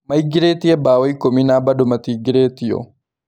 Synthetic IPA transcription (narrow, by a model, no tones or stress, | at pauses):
mɐɪɡɪɾeːt̪ɪɛbaːwɐjkɔminaːbɐdʊmɐt̪iɡɪɾeːt̪ɪjɔ̰